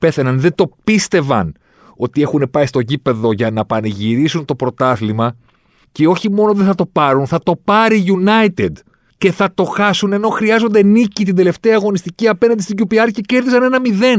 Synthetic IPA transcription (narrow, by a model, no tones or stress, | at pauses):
pe̞θe̞nɐnðe̞d̪o̞pist̪e̞vɐ̰n | o̞t̪ie̞xune̞pɐist̪o̞ʝipe̞ðo̞ʝɐnɐpɐniʝiɾisunt̪o̞pɾo̞t̪ɐθlimɐ | ceo̞çimo̞noðeθɐt̪o̞pɐɾunθɐt̪o̞pɐɾiʝunɐjt̪ed̪ | ce̞θɐt̪o̞xɐsune̞no̞xɾiɐzo̞nd̪enicit̪̬ind̪e̞le̞ft̪e̞ɐːɣo̞nist̪iciɐpe̞nɐnd̪ist̪iɟupiɐɾcece̞ɾðisɐne̞nɐmiðe̞n